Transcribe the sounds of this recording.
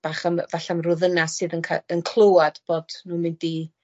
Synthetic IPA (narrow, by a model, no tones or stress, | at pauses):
b̥aχamvaɬamrʊðənasɨːðənkʰaənkʰlˠəwad̥b̥oːd̥nuːmɪndi